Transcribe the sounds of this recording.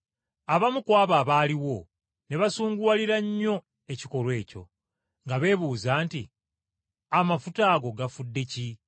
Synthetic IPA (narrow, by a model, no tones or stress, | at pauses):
aβamukwaːβaːβaːliwo̞ | ne̞βasuːŋɡwaliɾaɲːo̞ | e̞ciko̞lwe̞ːco̞̰ | ŋɡaβe̞ːβuːzaːnti | amafutaːɡo̞ɡafudːe̞ci